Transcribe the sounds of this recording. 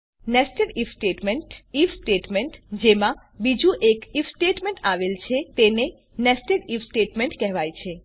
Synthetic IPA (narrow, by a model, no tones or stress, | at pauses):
nɛsʈeɾifsʈeʈmeɳʈifsʈeʈmeɳʈd͡ʒemã | bid͡ʒuʔekifsʈeʈmeɳʈaʋelt͡ʃʰet̪ene | nɛsʈeɾifsʈeʈmeɳʈkɛɦʋajt͡ʃʰe